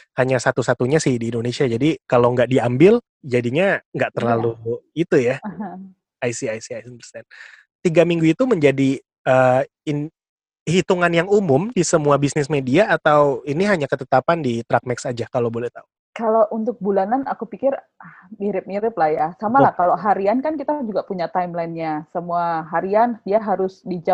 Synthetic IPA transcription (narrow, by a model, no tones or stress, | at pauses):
haɲasat̪usat̪uɲasɪhdiːndonesiad͡ʒadikaloŋɡaʔdiambɪl | d͡ʒadiɲaŋɡaʔt̪ərlaluit̪ujaɦ | ajsiajsiajsnpərsɛn | t̪iɡamiŋɡuit̪uməɲd͡ʒadi | ə | in | hit̪uŋanjaŋumʊmdisəmuabisnɪsmediaːt̪awiniɦaɲakət̪ət̪apandit̪ɾak̚mɛksad͡ʒahkalaobolɛht̪au | kaloʔunt̪ʊk̚bulananakupikɪr | hmiɾɪp̚miɾɪp̚lahjasamalahkaloɦaɾiankankit̪ad͡ʒuɡapuɲat̪ajmlainɲasəmuaɦaɾianiaɦaɾʊsdid͡ʒa